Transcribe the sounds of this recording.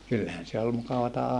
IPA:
kylːæhæn se ol mukɑʋɑtɑ

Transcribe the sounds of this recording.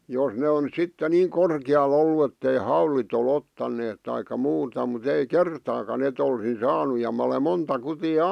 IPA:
jos ne on sitːe niːŋ korkĭjɑl olːu etːei hɑulit ol otːɑnːeːt tɑikɑ muːtɑ mut ei kertɑːkɑn et olsin sɑːnu jɑ mæ̆ ole montɑ kutiː

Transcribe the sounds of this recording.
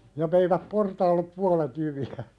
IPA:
jɑ ʋeiʋæp portɑːlːep puɑlet jyʋiæ

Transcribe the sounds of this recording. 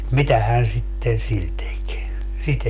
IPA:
mitæhæːn sitːen sil tek sit

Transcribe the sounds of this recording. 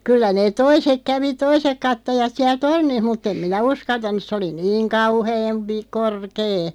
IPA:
kylːæ neːt̆ toisek kæʋi toisek kɑtːojɑt siæl tornih mutː em minæ uskɑltɑnˑus̆ se oli niːŋ kɑuheːm pi korkeː

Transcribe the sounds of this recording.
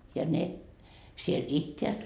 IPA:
jɑ ne siel itːeæt

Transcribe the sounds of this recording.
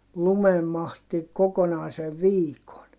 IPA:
lumemːɑhti kokonɑˑiseʋ ʋiːkon

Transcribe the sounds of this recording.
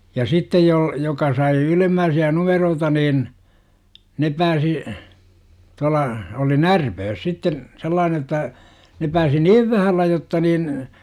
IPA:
jɑ sitːej jol jokɑ sɑi ylemːæːsiæ numeroːtɑ nin ne pæːsi tuɑlˑɑ oli nærpøːs sitːen selˑɑːne jotːɑ ne pæːsi niːʋ ʋæhælːæ jotːɑ niːn

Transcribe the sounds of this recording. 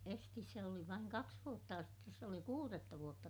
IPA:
estis se oli ʋɑiŋ kɑks ʋuotːɑ jɑ sitːes se oli kuːretːɑ ʋuotːɑ

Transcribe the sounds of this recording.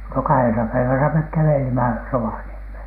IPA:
no kɑhesɑ pæiʋæsæ mek kæʋelimæ roʋɑniemheˑn

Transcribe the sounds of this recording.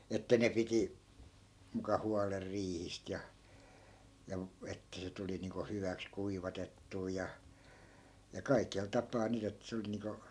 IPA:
etːæ ne piti mukɑ huɑler riːhist jɑ jɑ etːæ se tuli niːŋko hyʋæks kuiʋɑtetːuː jɑ jɑ kɑikel tɑpɑː nyt et se oli niːŋko

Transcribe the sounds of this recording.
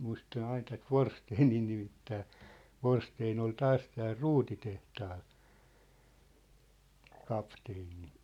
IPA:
muistɑn ɑin tæt ʋorsteːniː nimitːæː ʋorsteːn ol tɑːs tæːl ruːtitehtɑːl kɑpteːni

